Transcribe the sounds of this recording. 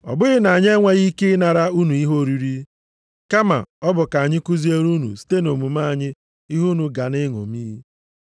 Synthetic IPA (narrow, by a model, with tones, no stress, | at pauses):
ɔ̰˨bʊ˦ɣɪ˦na˨a˨ɲ˦e˦ŋʷa˦ɣi˦kɪ˦na˨ɾa˦u˦nu˨i˦ɦo˦˨ɾi˨ɾi˦ | ka˦ma̰˨ɔ˦bʊ˨ka˨a˨ɲɪ˦ku˦zi˦e˦ɾu˦nṵ˨si̥˦te˦no˨mu˨ma˦a˨ɲɪ˦ | i˦ɦu˦nu˨ɡa˨nɪ˦ŋo̰˨miː˦i˦